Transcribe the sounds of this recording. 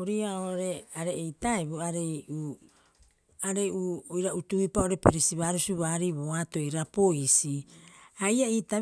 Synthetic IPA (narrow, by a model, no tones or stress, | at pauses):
oɾiaoɾe̞aɾeːjtaebuaɾeju | aɾe̞uojɾautuipaoɾe̞peɾisiβaːɾusuβaːɾiβoato̞iɾapo̞isiajaita